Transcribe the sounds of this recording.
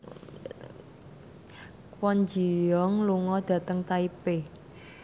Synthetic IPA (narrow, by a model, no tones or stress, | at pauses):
kwɔnd͡ʒi̤jɔŋluŋɔd̪̥ä̤t̪əŋt̪aipe